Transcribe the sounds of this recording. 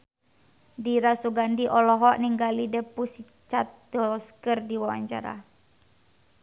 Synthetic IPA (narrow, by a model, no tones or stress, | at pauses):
diɾasuɡandiʔɔlɔɦɔʔniŋɡalidɛpusi | t͡ʃat̪̚d̥ɔskərdiwawa̰ɲt͡ʃa̰ɾa̰